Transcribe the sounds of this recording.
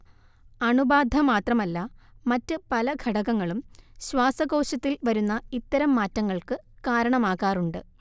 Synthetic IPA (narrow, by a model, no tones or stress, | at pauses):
ɐɳubaːd̪ʱɐmaːt̪rɐmɐlːɐmɐtːɨpɐlɐɡʱɐɽɐɣɐŋːɐɭumɕwaːsɐɣo̞ːɕɐt̪ːilʋɐɾunːɐit̪ːɐɾɐmːaːtːɐŋːɐɭkɨkaːɾɐɳɐmaːkaːruɳɖɨ